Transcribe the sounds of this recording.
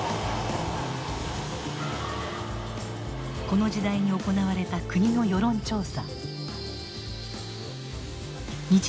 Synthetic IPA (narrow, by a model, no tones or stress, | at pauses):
ko̞no̞d͡ʑid̪aiɲ̟ioko̞naβaɾe̞t̪akɯ̟ɲ̟ino̞jo̞ɾõ̞ɲt͡ɕo̞ːsa | ɲi